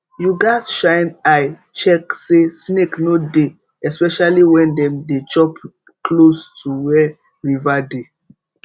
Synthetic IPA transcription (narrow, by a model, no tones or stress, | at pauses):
juɡasʃãɪnaj | t͡ʃɛksesneknode | ɛspɛʃaliwɛ̃ndɛ̃mdet͡ʃɔp | klostʰuwɛ | ɹivade